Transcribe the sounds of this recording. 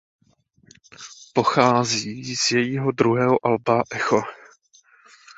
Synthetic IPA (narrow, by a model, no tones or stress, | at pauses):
po̞xaːziːz̥jɛjiːɦo̞dɾuɦɛːɦoʔalbaʔɛxo̞